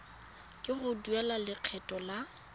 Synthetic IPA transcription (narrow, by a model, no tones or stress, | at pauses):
kʼɪɣʊduɛlalɪq͡χʰɛtʼɔla